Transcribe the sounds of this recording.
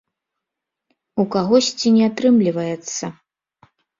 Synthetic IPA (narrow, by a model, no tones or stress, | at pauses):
ukaɣɔsʲt͡sʲinʲɛat̪ɾɨmlʲivɐjɛt̪sːɐ